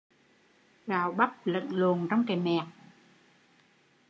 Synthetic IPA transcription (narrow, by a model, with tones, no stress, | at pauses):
vaː˨˩wɓa˦˥p̚lə̰˧˨nlo˨˩ənt͡ɕɔ˧wŋ͡mkeː˨˩mɛ˨˩k̚